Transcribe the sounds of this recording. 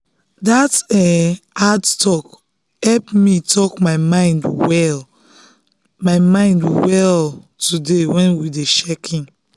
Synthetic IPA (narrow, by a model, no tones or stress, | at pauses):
datɛadtɔk | hɛlpmitʰɔkmaɪmãɪ̃ndwɛl | maɪmãɪ̃ndwɛltudewɛ̃nwideʃɛkʰĩn